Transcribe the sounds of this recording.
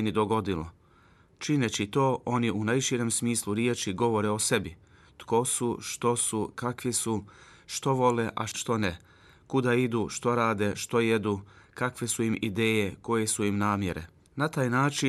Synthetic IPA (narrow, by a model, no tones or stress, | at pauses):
enid̪o̞ɡo̞d̪ilo̰ | t͡ʃinet͡ɕit̪o̞ːʔo̞niunajʃiɾe̞msmiːsluɾjet͡ʃiɡo̞ʋo̞ɾe̞ose̞bi | t̪ko̞suʃt̪o̞sukakʋisu | ʃt̪o̞ʋo̞le̞ʔa̰ʃt̪o̞ne | kud̪aid̪uʃt̪o̞ɾaːd̪e̞ʃt̪o̞jed̪ukakʋe̞suimid̪e̞ːje̞ko̞je̞suimnaːmje̞̰ɾe̞̰ | nat̪aːjnaːt͡ʃi